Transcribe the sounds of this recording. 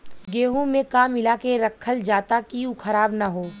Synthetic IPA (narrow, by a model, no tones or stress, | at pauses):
ɡeːɦũmẽkaːmɪlakeɾɐkʰːəld͡ʒaːt̪akiũkʰɐɾaːbnɐɦoː